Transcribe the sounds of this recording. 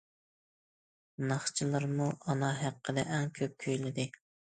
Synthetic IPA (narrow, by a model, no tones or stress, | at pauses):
nɑχt͡ʃʰilˠɨɾmuʔɑnɑɦæqːəd̪ɛʔɛŋkʲʰøp̚kʲʰøjlɪd̪ɪ